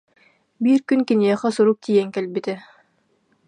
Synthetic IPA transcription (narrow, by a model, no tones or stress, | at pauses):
biːɾkynkiniɛχɛsuɾuk̚t̪iːjɛŋkɛlbit̪ɛ